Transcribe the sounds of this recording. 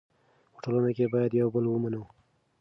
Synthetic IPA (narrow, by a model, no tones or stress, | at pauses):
pə̥ʈolunokebɑjad̪jawbəlwəmanəw